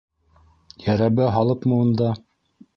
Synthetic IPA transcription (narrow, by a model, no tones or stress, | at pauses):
jæɾæβɘɦɑlˠɤpmɤ̆wɤ̆nd̪ɑ